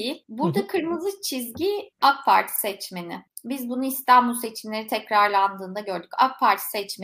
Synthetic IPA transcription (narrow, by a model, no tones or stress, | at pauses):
jibuɾd̪akʰɯɾmɯzɯt͡ʃʰizɟiak̚pʰaɾt̪ʰi̥sɛt͡ʃmenɪ | bizbunuist̪ʰanbulˠse̞t͡ʃʰimlʲe̞ɾit̪ʰɛcɾaɾlˠand̪ɯːnd̪aɟø̞ɾd̪yca̰k̚pʰaɾt̪ʰi̥sɛt͡ʃme